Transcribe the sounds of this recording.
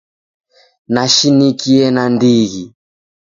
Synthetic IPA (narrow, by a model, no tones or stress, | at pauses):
naʃinikiɛnandiɣi